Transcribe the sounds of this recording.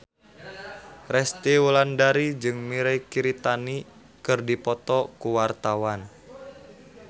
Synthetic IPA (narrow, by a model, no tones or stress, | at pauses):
rɛst̪iwulandaɾid͡ʒɨŋmiɾajkiɾit̪ani | kɨrdipɔt̪ɔkuwart̪awan